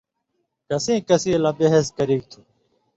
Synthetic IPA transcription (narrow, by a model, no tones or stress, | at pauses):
kəsĩːkəsĩːlãːbeɦeskəɾiːk̚t̪ʰuː